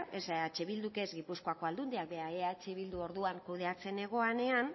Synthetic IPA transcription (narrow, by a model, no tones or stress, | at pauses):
esat͡ʃeβild̪uke̞zɡipusko̞ako̞ald̪und̪iak̚beaeat͡ʃeβild̪uo̞ɾðuaŋkuð̞e̞at͡se̞ne̞ɣ̞o̞ane̞an